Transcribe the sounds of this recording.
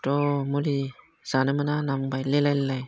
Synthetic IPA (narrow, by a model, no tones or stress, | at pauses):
tɔmuli | z̥anɯmɯnanambajlelajlelaj